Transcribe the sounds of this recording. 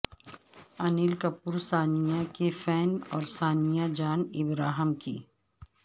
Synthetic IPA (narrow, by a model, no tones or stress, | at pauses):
ɐniːlkɐpːuɾsaːnijakefɛːnɔːɾsaːnijad͡ʒaːnɪbɾaːɦəmkḭː